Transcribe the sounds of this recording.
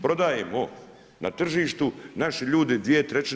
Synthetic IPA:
pɾo̞d̪ajemo | na̰t̪r̩ʒiːʃt̪unaʃeʎuːd̪ed̪ʋijet̪ɾet͡ɕ

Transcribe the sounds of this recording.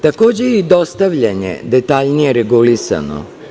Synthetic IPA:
t̪ako̞ːd͡ʑejid̪o̞st̪aʋʎaɲḛd̪e̞t̪aːʎnijeɾeɡulisa̰no̰

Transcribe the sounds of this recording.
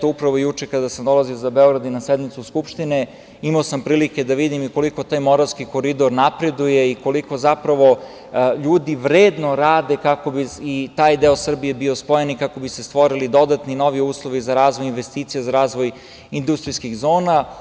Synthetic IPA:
t̪oupɾaʋo̞jut͡ʃekad̪asamd̪o̞laziozabeo̞ɡɾad̪inasɛd̪mit̪suskupʃt̪ine | imaosampɾiːlike̞d̪aʋid̪imiko̞liko̞t̪aːjmoɾalskiko̞ɾid̪o̞ɾnapɾe̞d̪uje̞iko̞liko̞zapɾaʋo̞ | ʎuːd̪iʋɾeːd̪no̞ɾaːd̪ekako̞biit̪aːjd̪eosr̩bijebio̞spojenikako̞bise̞st̪ʋoɾilid̪o̞d̪at̪nino̞ʋiuːslˠo̞ʋizaɾaːzʋojinʋest̪iːt̪sijezaɾaːzʋo̞j | ind̪ust̪ɾiskiɣzo̞ːna

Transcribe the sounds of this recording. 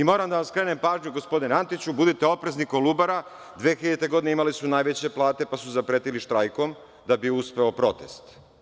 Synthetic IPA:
imo̞ːɾamd̪aʋaskɾe̞ːne̞mpaːʒɲuɡo̞spo̞d̪inant̪it͡ɕubud̪it̪e̞o̞pɾe̞znikolubaɾa | d̪ʋeːxiʎet̪e̞ɡo̞d̪ineimalisunaːjʋe̞t͡ɕe̞plˠaːt̪e̞pasuzapɾeːt̪iliʃt̪ɾajko̞m | d̪abiuspe̞o̞pɾo̞t̪e̞st̪

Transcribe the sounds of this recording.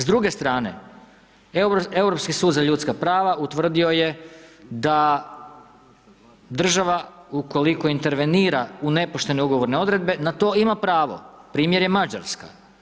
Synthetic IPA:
zd̪ɾuɡe̞st̪ɾaːne̞̰ | euɾo̞pskisuːd̪zaʎut̪skapɾaːʋaʔut̪ʋr̩d̪io̞je̞d̪a | d̪r̩ʒaʋauko̞liko̞int̪e̞ɾʋe̞niːɾaune̞poʃt̪e̞ne̞uɡo̞ʋo̞ɾneo̞d̪ɾe̞d̪be̞nat̪o̞imapɾaːʋo̞̰pɾiːmjeɾje̞mad͡ʒa̰ɾska̰

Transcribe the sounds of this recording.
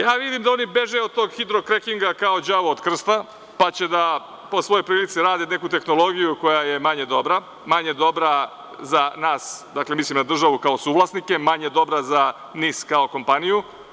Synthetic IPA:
jaːʋid̪imd̪ao̞nibe̞ʒeod̪̚t̪o̞ːɡxid̪ɾo̞kɾekiŋɡakao̞d͡ʑaʋood̪kr̩st̪a | pat͡ɕe̞d̪a | po̞sʋo̞jo̞jpɾiːlit̪siɾaːd̪ene̞kut̪e̞xno̞lˠo̞ɡijuko̞jaje̞maɲe̞d̪o̞bɾa | maɲe̞d̪o̞bɾa | zanaːsd̪aklemislimnad̪r̩ʒaʋukao̞suːʋlˠasnike̞maɲe̞d̪o̞bɾaza | niːskao̞ko̞mpaniju

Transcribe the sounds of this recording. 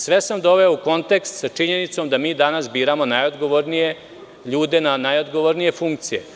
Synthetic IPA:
sʋe̞samd̪o̞ʋeouko̞nt̪ekst̪sat͡ʂiɲe̞nit̪somd̪amiːd̪anasbiːɾamo̞najod̪ɡoʋoɾnije̞ | ʎuːd̪e̞nanajod̪ɡo̞ʋoɾnije̞fuŋk̚t̪sije̞̰

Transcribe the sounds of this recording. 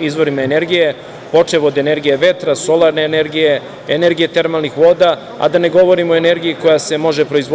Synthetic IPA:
izʋo̞ɾimaene̞ɾɡije̞ | po̞t͡ʂeʋod̪ene̞ɾɡijeʋe̞t̪ɾaso̞lˠaɾneːne̞ɾɡije̞ː | ne̞ɾɡije̞t̪e̞ɾmalnixʋo̞ːd̪a | a̰d̪ane̞ɡo̞ʋo̞ɾimooe̞ne̞ɾɡijiko̞jase̞mo̞ʒe̞pɾoizʋo

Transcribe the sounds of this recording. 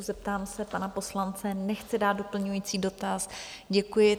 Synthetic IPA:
zɛp̚t̪aːmsɛpanapo̞slant͡sɛnɛxt͡sɪdaːt̪̚dopl̩ɲujiːt͡siːdo̞t̪asɟɛkujɪ

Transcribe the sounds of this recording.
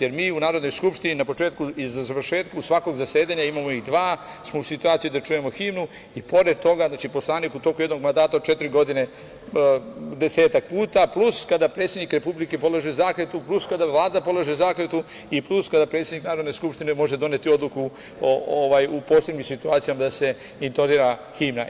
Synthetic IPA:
jeɾmiːunaːɾo̞d̪no̞jskupʃt̪ininapo̞t͡ʃe̞ːt̪kuizzaʋr̩ʃe̞ːt̪kausʋako̞ɡzase̞ːd̪aɲaimamo̞id̪ʋaː | smousit̪uaːt̪sijud̪at͡ʃujemo̞ximnu | ipo̞ɾe̞d̪̚t̪o̞ɡaznaːt͡ʃipo̞slˠaːnikut̪o̞kujeno̞ɡ̚mand̪aːt̪aot͡ʃe̞t̪iɾiɡo̞d̪ine̞ | d̪e̞se̞ːt̪ak̚puːt̪apluskad̪apɾet̪sʲjed̪nikɾe̞publike̞po̞lˠaʒezaːklet̪upluskad̪aʋlˠaːd̪apo̞laʒezaːklet̪u | ipluskad̪apɾet̪sed̪iknaːɾod̪ne̞skupʃt̪ine̞mo̞ʒe̞d̪o̞net̪io̞d̪lˠuku | ooʋajupo̞ːslebɲimsit̪uaːt̪sijamad̪ase̞ | int̪od̪iːɾaximna

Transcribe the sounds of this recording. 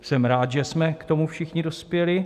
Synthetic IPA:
sɛmɾaːt̪ʒɛsmɛkt̪o̞mufʃɪxɲɪdo̞spjɛlɪ

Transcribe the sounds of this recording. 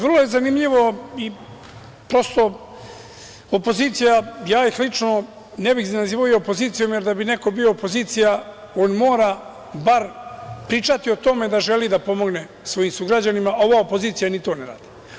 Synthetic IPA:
ʋr̩lˠojezanimʎiʋo̞i | pɾo̞st̪o̞ | opo̞ziːt̪sijajaːjixlit͡ʂno̞ | nebixznaziːʋajoopoziːt̪sijo̞mje̞ɾd̪abine̞ko̞bio̞ːpoziːt̪sija | o̞nmoːɾa | baɾpɾiːt͡ʂat̪io̞t̪o̞me̞d̪aʒelid̪apo̞mo̞ɡne̞ | sʋo̞jimsuɡɾad͡ʑanimao̞ʋaopoziːt̪sijanit̪o̞ːneɾa̰ːd̪̥i̥

